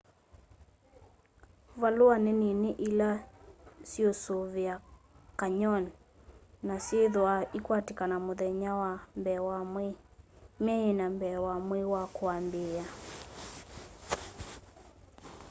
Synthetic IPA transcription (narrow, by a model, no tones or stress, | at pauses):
valoaneneneʔila | sjosoβea | kaɲɔnː | asjeðoaikwatekanamoðɛɲawambɛwamemɛenambɛwamwewakwambea